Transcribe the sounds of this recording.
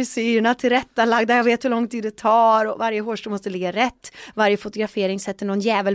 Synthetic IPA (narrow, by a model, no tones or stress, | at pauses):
syːəɳat̪ʰɪlɾɛt̪ːalaɡ̚d̪æɾjaveːt̪hɵlɔŋt̪ʰiːd̪ɛt̪ʰɑːɾɔvaɾjəɦoːʂʈuːmɔst̪əlɪɡːaɾɛt̪ːvaɾjəfʊt̪ʊɡɾafeːɾɪŋsɛt̪ːəɳɔnjɛːvəl